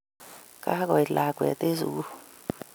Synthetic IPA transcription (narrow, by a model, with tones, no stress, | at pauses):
kʼa˦k̬ɔ˨i˨la˨kwɛ̰˨t̪ʼe˦zṵ˨k̬u˦